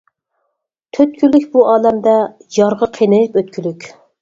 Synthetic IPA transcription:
t̪ʰøt̪kʲʰylykʲbuʔɑːlɛmd̪ɛjɑɾʁəqʰenejpøt̪̚kʲʰylykʲ

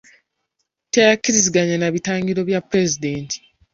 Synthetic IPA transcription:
tejakːiɾiziɡaɲanaβitaːŋɡiɾo̞βjapɾezideːntʰi̥

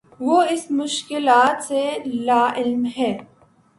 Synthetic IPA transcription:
ʋoɪsmʊʃkɪlaːt̪selaːʔɪlmɦɛː

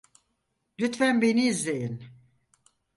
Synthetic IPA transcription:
lyt̪fænbeniːzlejin

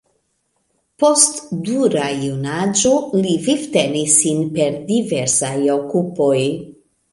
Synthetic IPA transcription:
po̞stduɾajunad͡ʒoliviftenisːinpe̞ɾdiveɾsajo̞kupo̞j

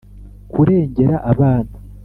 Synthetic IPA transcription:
kuɾe̞ːɲɟe̞ɾaʔaβaːna

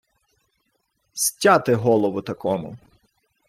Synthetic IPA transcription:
sʲtʲat̪ɪɦɔlˠɔʋʊt̪ɐkɔmʊ̰

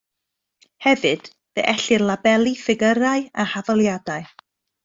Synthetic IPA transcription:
hɛvɨd̥ | ðɛ̰ʔɛɬɨrlˠabɛlˠifɪɡəɾaɨahavalˠjadaɨ

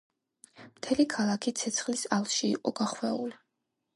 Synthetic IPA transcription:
mt̪ʰɛlikʰalˠakʰit̪sʰɛt̪sʰχlisalˠʃiːqʼɔɡaχwɛuli

